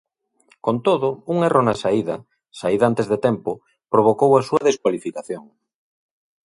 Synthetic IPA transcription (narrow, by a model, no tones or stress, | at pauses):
kont̪oðʊuŋerʔonasaiðɐ̰ | saiðant̪ezðet̪ɛmpʊ | pɾoβ̞okowasuɐðeskwalifikaθjoŋ